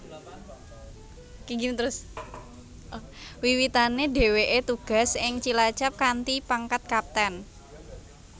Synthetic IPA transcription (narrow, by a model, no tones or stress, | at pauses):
kiŋɡit̪əɾʊs | wiwit̪aneɖe̤weʔet̪uɡ̥a̤sɪŋt͡ʃilat͡ʃap̚kant̪ipaŋkat̪̚kap̚t̪ɛn